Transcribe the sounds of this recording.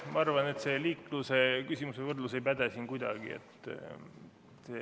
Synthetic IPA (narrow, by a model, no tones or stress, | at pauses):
mɑɑrvɑne̞t̪se̞liːkˑluse̞kysʲimuse̞vɤrd̪luse̞jpæd̪̥esiːnkujd̪ɑɡ̥ḭḛt̪ː | se